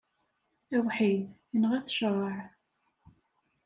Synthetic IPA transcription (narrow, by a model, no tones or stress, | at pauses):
æwħiðinʁæθʃɾˤəʕ